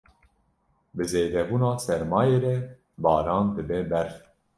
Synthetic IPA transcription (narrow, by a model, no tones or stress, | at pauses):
bɨzeːd̪ɛbuːnɑːsɛɾmɑːjeːɾɛ | bɑːɾɑːnd̪ɨbɛbɛɾ